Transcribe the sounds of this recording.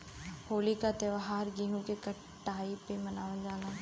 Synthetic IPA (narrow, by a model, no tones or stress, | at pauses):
hoːlikat̪eʋaɦaːɾɡiɦũkekɐ | ʈːaːipemɐnaːʋəd͡ʒaːɡaː